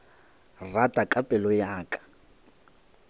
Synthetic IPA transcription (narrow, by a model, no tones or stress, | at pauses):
ratʼakʼapʼɛlɔjaːkʼḁ